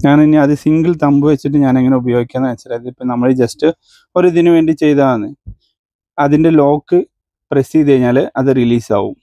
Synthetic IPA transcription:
ɲaːninːiɐðɨsiŋɡɨlt̪ɐmbuʋet͡ɕːiʈ̬ːɨɲaːne̞ŋːɐne̞ubɐjo̞ːɡikʲːaːnːɐʋɐt͡ɕːɐɾɐðiipːɐnɐmːɐɻɨd͡ʑɐstɨ | o̞ɾud̪inuʋe̞ːɳɖit͡ɕe̞jt̪aːɐnːɨ | ɐðinde̞lo̞ːkːɨ | prɐsiðejiɲːaːlʔɐðɨriliːsa̰ːʋṵm

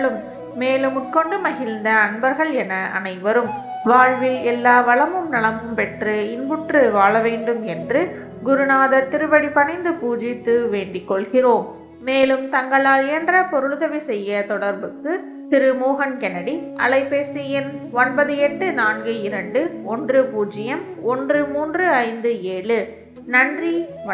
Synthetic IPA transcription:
lɯmː | eːlɯmʊʈ̚kɔɳɖɯmɐɣɪlnd̪ɐːnbɐɾɣɐɭɛnɐʔɐ̰nɐɪʋɐɾɯm | ʋaːɻʋɪlɛlːaːʋɐɭɐmɯmnɐɭɐmɯmpɛʈrɯɪnbɯʈrɯʋaːɭɐʋeːɳɖɯmɛndrɯ | ɡʊɾɯnaːðɐɾt̪ɪɾɯbɐɽipɐnɐɪnd̪ɯpuːd͡ʒɪt̪ːɯʋeːɳɖɪkːɔɭɣɪroːmː | eːlɯmt̪ɐŋɡɐɭaːlɪjɐndrɐpɔɾɯɭðɐʋisɛjːɐt̪ɔɽɐɾbɯkːɯ | t̪ɪɾɯmoːɣɐnkɛnɐɽiʔɐ̰lɐɪpːeːsɪjɪn | ɔnbɐðɯɛʈɖɯnaːnɡɯɪɾɐɳɖɯɔndrɯpuːd͡ʒɪjɐm | ɔndrɯmuːndrɯɐɪnd̪ɯeːɭɯ | nɐndri

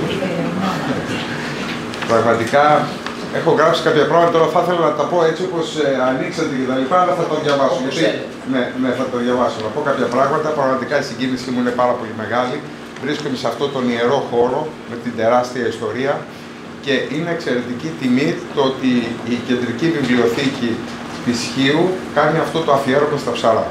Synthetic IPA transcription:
pɾɐɣmɐt̪ikɐ | e̞xo̞ɣɾɐpsi̥kɐpçɐpɾɐɣmɐt̪ɐt̪oɾɐθɐθe̞lɐnɐt̪ɐpo̞e̞t͡siopo̞seɐniksɐnd̪ece̞t̪ɐlipɐːlɐθɐt̪oðʝɐvɐsoʝɐt̪i | neneθɐt̪oðʝɐvɐso̞nɐpo̞kɐpçɐpɾɐɣmɐt̪ɐpɾɐɣmɐt̪ikɐisiɲɟinisimuine̞pɐɾɐpo̞lime̞ɣɐli | vɾiskomd̪eseɐft̪o̞t̪o̞nie̞ɾo̞xo̞ɾo̞me̞t̪ind̪e̞ɾɐst̪iɐist̪o̞ɾiɐ | ce̞ʔine̞ːkse̞ɾe̞t̪icit̪imit̪oot̪iːce̞nd̪ɾicivivlio̞θici | t̪isçiukɐniɐft̪o̞t̪o̞ɐfie̞ɾomest̪ɐpsɐɾɐ

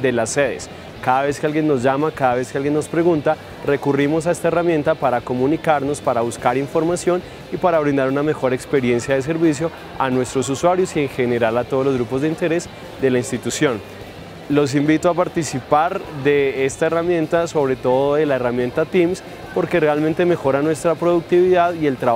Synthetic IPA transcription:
d̪e̞lasːe̞ðḛs | kaðaβe̞skealɡje̞nːo̞zd͡ʒamakaðaβe̞skealɡjenːo̞spɾe̞ɣunt̪a | re̞kurimo̞sae̞st̪aeramje̞nt̪apaɾakomũnikaɾno̞spaɾaβuskaɾiɱfo̞ɾmasjo̞n | ipaɾaβɾind̪aɾuname̞xo̞ɾe̞kspe̞ɾje̞nsjaðe̞s̬e̞ɾβis̬jo̞ | anwe̞st̪ɾo̞s̬uswaɾjo̞sieŋxe̞ne̞ɾalat̪oð̞ozlo̞zɣɾupo̞zd̪eint̪e̞ɾe̞s | d̪e̞lainst̪it̪usjo̞n | lo̞s̬imbit̪oapaɾt̪isipaɾd̪e̞est̪aeramjẽ̞nt̪aso̞βɾe̞t̪o̞ðoðe̞laeramjẽ̞nt̪at̪ims | po̞ɾke̞realment̪e̞me̞xo̞ɾanwe̞st̪ɾapɾo̞ðuk̚t̪iβiðaðie̞lt̪ɾa

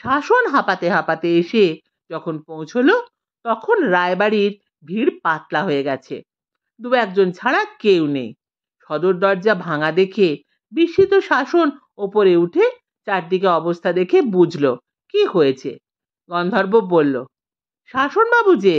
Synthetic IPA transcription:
ʃaʃonɦapat̪eɦapat̪eeʃe | d͡ʑɔkʰonpõw̃t͡ɕʰolo | t̪ɔkʰonɾaebaɽiɾ | bʱiɾpat̪laɦoeɡɛt͡ɕʰḛ | d̪ubɛk̚d͡ʑont͡ɕʰaɽakewnḛj | ʃɔd̪oɾd̪ɔɾd͡ʑabʱaŋad̪ekʰe | biʃːit̪oʃaʃon | opoɾeuʈʰe | t͡ɕaɾ̚d̪ik̬eɔbost̪ʰad̪ekʰebud͡ʑʱlo | kihojet͡ɕʰḛ | ɡɔnd̪ʱɔɾbobolːo | ʃaʃonbabud͡ʑe

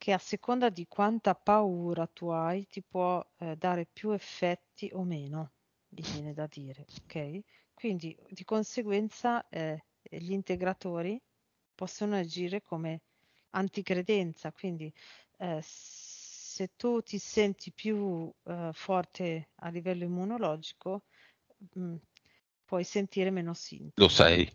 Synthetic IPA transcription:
k̟ʰeasːekond̪ad̪ikwant̪apauːɾat̪uajt̪ipwɔd̪aːɾepjuefːɛt̪ːiʔomeːno | livjɛːned̪ad̪iːɾeokʰɛj | kwind̪id̪ikonseɡwɛnt̪saɛ | ʎiːnt̪eɡɾat̪oːɾi | pɔsːonoad͡ʒiːɾekʰome | ant̪ikɾed̪ɛnt̪sakwind̪i | set̪ːut̪isɛnt̪ipju | fɔrt̪ʰea̰lːivɛlːoimːunolɔːd͡ʒiko | pwɔjsent̪iːɾemeːnosḭnlosɛ̰j

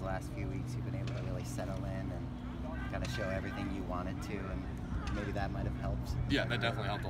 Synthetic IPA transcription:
læstfjʉwiksjɨbɨ̃ñeɪbl̩ˠtʰəɹɪlˠisɛɾl̩ˠɪ̃nɨ̃n | kʰãɪ̃ndɨʃoʊɛvɹiθɪ̃ŋjɨwɑ̃ɾ̃ɨd̚tʰʉɨ̃n | meɪbiðɨt̚maɪɾɨv̥hɛlˠp̚tjæðɨt̚d̥ɛfənətˡlihɛlˠp̚t

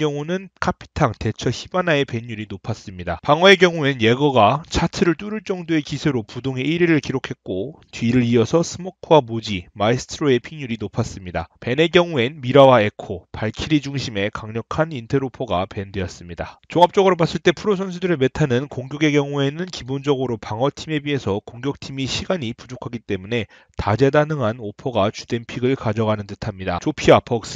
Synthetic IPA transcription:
jʌŋunɯnkʰapʰi̥tʰaŋte̞t͡ɕʰʌçibanae̞pe̞ɲjuɾinopʰas͈ɯmɲida̰paŋwʌe̞ɡjʌŋue̞nje̞ɡʌɡat͡ɕʰatʰɯɾɯɭt͈uɾɯɭt͡ɕ͈ʌŋdoe̞kisʰeɾopudoŋe̞ʔiɾiɾɯɭkiɾokʰe̞k̚k͈otɥiɾɯɾiʌsʰʌsʰɯmʌkʰwamod͡ʑimaisʰɯ̥tʰɯɾoe̞pʰiŋɲuɾinopʰas͈ɯmɲida̰pe̞ne̞ɡjʌŋue̞nmiɾawae̞kʰopaɭkʰiɾid͡ʑuŋɕʰime̞kaŋɲʌkʰanintʰe̞ɾopʰʌɡape̞nde̞ʌs͈ɯmɲidat͡ɕoŋap̚t͡ɕ͈ʌɡɯɾobas͈ɯɭt͈e̞pʰuɾos̬ʰʌns̬ʰudɯɾeme̞tʰanɯnkoŋɡʲjoɡe̞ɡjʌŋue̞nɯnkibond͡ʑʌɡɯɾopaŋɦʌtʰime̞bie̞sʰʌkoŋɡjʌk̚tʰimiɕʰiɡaɲipud͡ʑokʰaɡit͈e̞mune̞ | tad͡ʑedanɯŋɦanopʰʌɡat͡ɕude̞npʰiɡɯɭkad͡ʑʌɡanɯntɯtʰamɲida̰t͡ɕopʰiapʰʌks͈

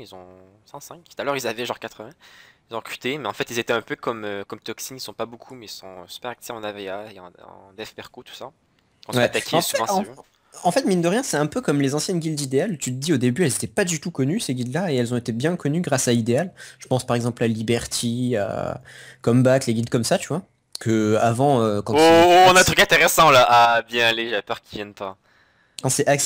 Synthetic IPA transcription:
ilzɔ̃sɛ̃sɛ̃k̪u̥t̪alœʁilzavɛʒɑ̃ʁkat̪χəvɛ̃ilzɔ̃ʁə̥kχy̥t̪emɛɑ̃fɛt̪ilzet̪ɛɛ̃pøkɔmøkɔmt̪ɔksinilsɔ̃pabokʰumɛilsɔ̃sy̥pɛʁak̚t̪eɑ̃naveaeɑ̰̃ɑ̰̃d̪ɛfbɛʁkot̪u̥sa | kɑ̃wɛat̪akʲʰeɑ̃syvɑ̃ɑ̃ɔ̃ | ɑ̃fɛt̪mind̪əʁjɛ̃sɛɛ̃pøkɔmlezɑ̃sjɛnɡʲild̪id̪ealt̪yt̪əd̪iod̪ebyɛlzet̪ɛpad̪yt̪ukɔnyseɡʲid̪laeɛlzɔ̃et̪ebjɛ̃kɔnyɡʁasaid̪ealʒ̥əpɑ̃spaʁɛɡzɑ̃plalibɛʁt̪ʰia̰ | kɔmbakleɡʲid̪kɔmsat̪yvwa | kəavɑ̃økɑ̃t̪oɔ̃nãt̪χykɛ̃t̪eʁɛsɑ̃laʔabjɛ̃aleʒapœʁkʲivjɛnpa | kɑ̃sɛak

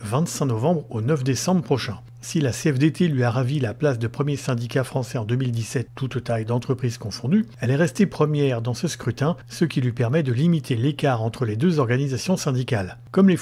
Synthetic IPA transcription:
vɛ̃t̪sɛ̃nɔvɑ̃bʁonœfd̪esɑ̃bʁəpχɔʃɛ̃ | silaseɛfd̪et̪ʰelɥiaʁavilaplas̬d̪əpχəmjesɛ̃d̪ikafχɑ̃sɛɑ̃d̪ømild̪isɛt̪ːut̪t̪ajd̪ɑ̃t̪χəpχiz̥kɔ̃fɔ̃d̪yɛlɛʁɛst̪epχəmjɛʁd̪ɑ̃səskχyt̪ɛ̃səkʲilɥipɛʁmɛd̪əlimit̪ʰelekaʁɑ̃t̪χəled̪øzɔʁɡanizasjɔ̃sɛ̃d̪ikal | kɔmle

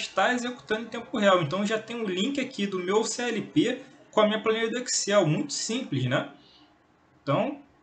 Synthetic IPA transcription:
ʃt̪aezeku̥t̪ɐ̃nd̪ẽt̪ẽmpʊɦeawẽnt̪ɐ̃w̃ʒat̪ẽj̃ʊlĩkɪakʰid̪ʊmewseɛlipekõɐmĩɲɐplɐ̃neɾɐd̪oksiɛwmũj̃t̪ʊ̥sĩplɪʃnɛ | ẽt̪ɐ̃w̃

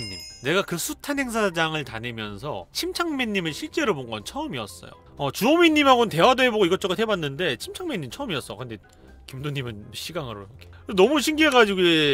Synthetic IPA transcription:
ḭne̞ɡakɯsʰutʰanɦe̞ŋs̬ʰad͡ʑaŋɯɭtanɯmjʌnsʰʌ̰t͡ɕʰimt͡ɕʰaŋmeɲːimɯɭɕʰiɭt͡ɕ͈e̞ɾoboŋɡʌnt͡ɕʰʌɯmiʌ̰s͈ʌ̰jo̰ | ʌt͡ɕuomiɲːimɦaɡonɯnte̞wadoɦe̞boɡoiɡʌt͡ɕ͈ʌɡɯtɦʰe̞banːɯnde̞t͡ɕʰimt͡ɕʰaŋmeɲːimt͡ɕʰʌɯmiʌs͈ʌkɯnde̞ | kimdoɲimɯnɕʰiɡaŋɯɾo̰kʰekɯenʌmuɕʰiŋɡieɡad͡ʑiɡoje

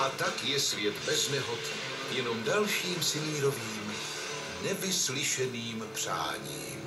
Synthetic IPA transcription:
ʔat̪akjɛsvjɛt̪bɛznɛɦot̪ | jɛno̞mdalʃiːmsɪmiːɾo̞viːm | nɛvɪslɪʃɛniːmpr̝̥a̰ːɲḭːm

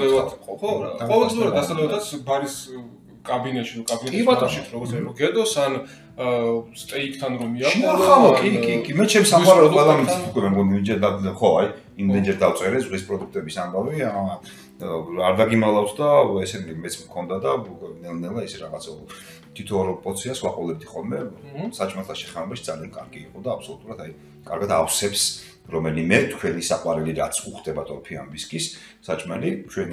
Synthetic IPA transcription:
lɛɔɔ̥aqʼɔvɛlʼliuɾad̪d̪asalɛbad̪at̪sbaɾis | kʼabinɛt̪ʃinukʼabinat̪ʼɔʃit̪ʰɾɔɡɔɾt̪sʰiɾɔɡɛd̪ɔsan | st̪ʼɛikʰt̪ʰanɾɔmiaʃʃinaaɔkʼikʼikʼimɛt͡ʃʰɛmsamʼaɾɛɾɔwɛlamit̪ʰit̪ʰu̥kʼɛmɛmɡɔnid͡ʒɛɾd̪aχɔaj | imd̪ɛnd͡ʒɛɾd̪at̪sʼɛɾɛzʁwispʼɾɔd̪uk̚ʰt̪ʼɛbisambavi | aɾd̪aɡimalˠafsd̪aɛsɛɾimɛt̪sʰmkʰɔnd̪ad̪anɛlnɛlˠaisɛɾaʁat̪sʰɛɔ | t̪ʰit̪ʰɔɾɔpʼɔt̪sʰiaswaqʼɔlɛb̚d̪iχɔlˠmɛsat͡ʃʼmalˠt̪ʰaʃɛ̥χɛnvɛbaʃid̪zaliankʼaɾɡiːqʼɔd̪aːpʰsɔlut̪ʼuɾat̪ʰaj | kʼaɾɡat̪ʰafsɛps | ɾɔmɛlimɛt̪ʰkʰwɛnisaqʼwaɾɛliɾat̪sʰuχʰd̪ʼɛbat̪ʼɔpʰia̰mbiskʼisː | at͡ʃʼmɛlit͡ʃʰwɛn

